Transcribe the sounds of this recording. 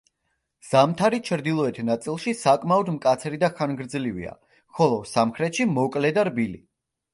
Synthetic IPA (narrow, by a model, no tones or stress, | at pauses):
z̥amt̪ʰaɾit͡ʃʰɾd̪ilˠɔɛt̪ʰnat̪sʼilˠʃisakʼmaɔd̪mkʼat̪sʰɾid̪aχanɡɾd̪zlivḭa̰ | χɔlˠɔsamχɾɛt̪ʃimɔkʼlɛd̪aɾbilḭ